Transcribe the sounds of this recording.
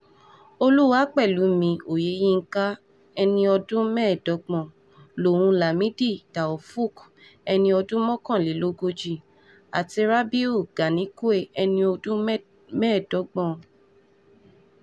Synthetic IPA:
o˧lu˦wa˦k͡pɛ˦˨lu˨˦mĩ˧o˨je˨˦jĩ˦˧ŋ̩˦ka˦ | ɛ˧nĩ˧ɔ˧dũ˦mɛ˦˨dɔ˨˦ɡ͡bɔ̃˦˨ | lo˨wũ˧la˨mĩ˨˦di˦˨d̥a˨ɔ˨fu˦˨k | ɛ˧nĩ˧ɔ˧dũ˦mɔ̃˦kɔ̃˦˨li˨˦lo˦ɡo˧d͡ʒi˦˨ | a̰˨ti˧ɾa˦bi˦u˦˨ɡ̥a˨nĩ˨˦ku˦e˦˨ɛ˧nĩ˧o˧dũ˦ | mɛ̃˦˨dɔ˨˦ɡ͡bɔ̃˦˨

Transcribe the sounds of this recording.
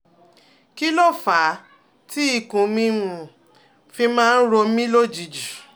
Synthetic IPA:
ki˦lɔ˦˨fa˨˦ | ti˦i˦˨kũ˨mĩ˧mũ˨ | fi˧mãː˦˧n̩˦ɾo˧mĩ˦lo˦d͡ʒi˨˦d͡ʒu˨

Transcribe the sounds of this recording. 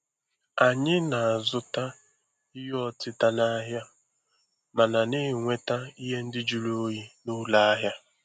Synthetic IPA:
a˨ɲɪ˦na˨a˨zʊ˦ta˦ | i˦ɦɔ˦tɪ˦ta˦na˦ɦja˦ | ma˨na˨nɪ˦˨ŋʷe˦ta˦i˦ɦe˦n̩˦dɪ˦d͡ʒu˨ɾo˦ji˦nu˦la˦a˦ɦja˦

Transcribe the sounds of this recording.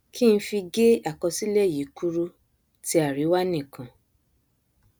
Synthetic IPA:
kʰi˦ñ̩˧˦fi˧ɡe˦a˦˨kɔ˧si˦le˦˨ji˨˦ku˦ɾu˦ | ti˧˦a˦˨ɾi˨˦wa˦nĩ˦˨kã˨

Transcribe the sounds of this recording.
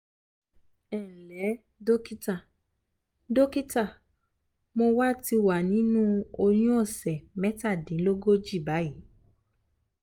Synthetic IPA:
ɛ˨lɛ˨˦ | do˦ki˦ta˦˨ | do˦ki˦ta˦˨ | mo˧wa˦ti˧wa˨nĩ˨˦nũ˦o˧j̃ũ˦ɔ˦˨sɛ˨mɛ˦ta˦˨dĩ˨˦lo˦ɡo˦d͡ʒi˦˨ba˨˦ji˨˦

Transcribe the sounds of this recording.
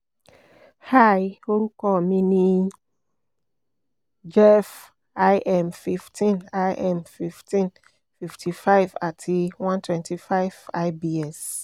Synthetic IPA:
ha˦˨jo˦ŋ̩˦kɔ˦˨mĩ˦nĩ˦ | d͡ʒɛ˦f | a˦ɪʔɛ˦mfi˨ftʰĩ˦˨na˦jʔɛ˦˨mfi˨ftʰĩ˦n | fi˨ftʰi˨fa˦ɪva̰˨tʰi˦wã˦ntʰwɛ̃˨ntʰi˨fa˦ɪv̥a˦ɪbi˦ɛ˦˨s

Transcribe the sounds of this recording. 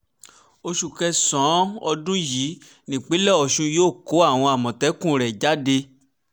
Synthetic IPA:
o˧ʃu˨kɛ˧sɔ̃˨˦ɔ˧dũ˦ji˨˦ | nĩ˨k͡pe˨˦lɛ˦˨ɔ˨ʃũ˧joː˦˨ko˨˦a˦˨w̃ɔ̃˧a˨mɔ̃˨tɛ˨˦kũ˦˨ɾɛ˨d͡ʒa˨˦de˧

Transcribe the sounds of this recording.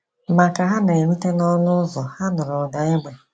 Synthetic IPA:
ma˨ka˨ɦa˦na˨e˨mi˦te˦nɔ˦nʊ˦zɔ˨ha˦nʊ˨ɾʊ˨da˨e˦ɡ͡be˨

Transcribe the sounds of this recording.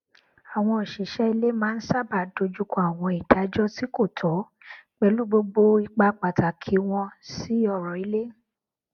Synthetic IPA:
a˨w̃ɔ̃˧˨ʃi˨˦ʃɛ˦i˧le˦mãː˦n̩˦sa˦˨ba˨do˧d͡ʒu˦kɔ̃˦a˦˨w̃ɔ̃˧i˨d̥a˨˦d͡ʒɔ˦ti˦ko˦˨tʰɔ˨˦ | k͡pɛ˧˦lu˦ɡ͡bo˧ɡ͡bo˧i˧k͡pa˧k͡pa˨ta˨kʰi˨˦w̃ɔ̃˧si˨˦ɔ˦˨ɾɔ˨i˨˧˦le˦

